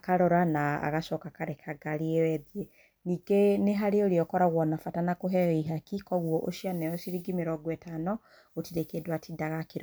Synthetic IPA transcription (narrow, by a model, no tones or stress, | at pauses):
akaɾɔɾanaa̰ɣaʃɔkakaɾɛkʰaɡaɾeewɛðie | niːɡeneɦaɾeoɾeɔkɔɾaɣwɔnafatanakoɦɛjɔiɦakikɔɣwɔʔoʃianɛɔʃiɾiɡimeɾɔɡwɛtanɔ | ɣotiɾekedwatidaɣakeɾɔ